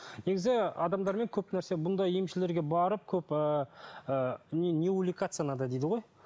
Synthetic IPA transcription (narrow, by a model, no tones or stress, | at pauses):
ne̞ɡʲɪzɪɑd̪ɑmd̪ɑɾme̞ŋkʲʰɵpnæɾse̞bʊnd̪ɑjjemʃɪle̞ɾɡʲe̞bɑɾəp̚kʲʰɵpəənʲeulʲikat̪sɨjanɑd̪ɑd̪ejd̪əʁo̞j